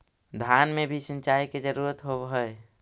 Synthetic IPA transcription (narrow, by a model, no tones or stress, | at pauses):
d̪ʱanmebʱisə̃nt͡ʃaiked͡ʒəɾuɾət̪ɦobɦəj